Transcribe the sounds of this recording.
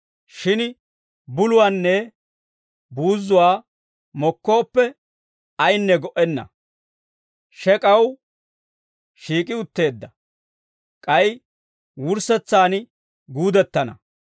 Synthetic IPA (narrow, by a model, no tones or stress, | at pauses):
ʃɪn | bʊlʊwaːnːɛ | buːzːʊwaː | mɔkːo̞ːpːɛ | ɐjnːɛɡɔʔɛnːɐ̰ | ʃɛkʼɐw | ʃiːkʼɪʊt̪ːe̞ːd̪ːɐ | kʼɐj | wʊɾsɛt͡sːaːn | ɡuːd̪ɛt̪ːɐnɐ̰